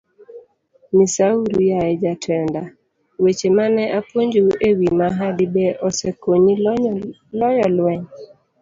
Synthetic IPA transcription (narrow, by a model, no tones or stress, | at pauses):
misauɾujajɛd͡ʒatʰɛnda | wet͡ʃemanɛʔapwoɲd͡ʒoewimaɦadibɛʔɔsekoɲi | lɔjɔlwɛɲ